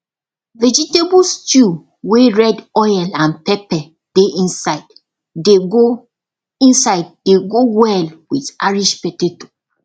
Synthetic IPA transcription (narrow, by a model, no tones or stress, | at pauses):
vɛd͡ʒitebustju | weɹɛdɔjɛlãnpɛpɛ | d̥eʔĩnsaɪd | deɡo | ĩnsaɪd̚deɡowɛlwitaɹiʃpɛteto̥